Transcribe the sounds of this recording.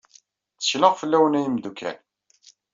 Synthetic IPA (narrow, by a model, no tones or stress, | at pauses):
t͡sːə̥çləʁfəlːæwənæjimd̪ukʰːæ̰n